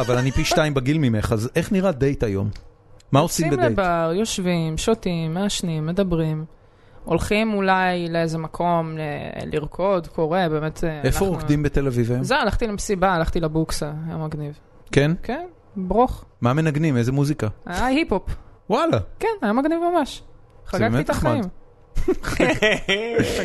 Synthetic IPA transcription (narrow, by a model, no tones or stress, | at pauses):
avalanipiʃtaimbaɡilmimeχazeχniʁad̪e̞jt̪ajo̞̰mː | aosimbemldejbaʁjo̞ʃvimʃotimːeaʃnimːe̞d̪abʁim | o̞lχimulajleezemakʰo̞meliʁkʰo̞dkʰo̞ʁebe̞ːme̞t̪ʰaefoʁokdimbet̪elavivezmewalaχt̪ilemesibaːlaχt̪ilebuksaja̰maɡniv | kenken | bʁoχmamenaɡnimezemuzikaajahipopwalakenajamaɡnivmamaʃχaɡbakiaχaim